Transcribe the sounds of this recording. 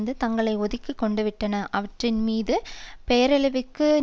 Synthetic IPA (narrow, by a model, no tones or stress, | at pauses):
nd̪ɯt̪ɐŋɡɐɭɐɪɔðɪkːɯkːɔɳɖɯʋɪʈːɐnɐʔɐʋɐʈrɪnmiːðɯpejɐɾɛlɯʋɯkːɯ